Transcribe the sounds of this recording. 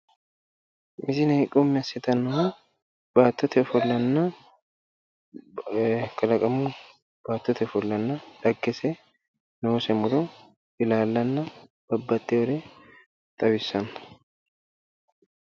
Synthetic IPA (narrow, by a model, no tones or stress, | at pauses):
mɪzɪnɐɪkʼːɔmːɪɐsɛt̪ɐnːɐhʊ | b̥aːt̪ːɔt̪ʰɛfɔlːɐnːɐ | kʼɐlɐkʼɐmʊ | b̥aːt̪ːɔt̪ʰɛfɔlːɐnːɐᶑ̪ɐɡːɛsɛ | noːsɛmʊd̪ɔ | ʔɪlaːlːɐnːɐb̥ɐbːɐt̪ːɛwɔɾɛ | t̪ʼɐbɪsːɐn